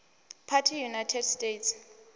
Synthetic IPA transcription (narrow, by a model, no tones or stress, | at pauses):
pʰatʰijunajtʰɛdstʼets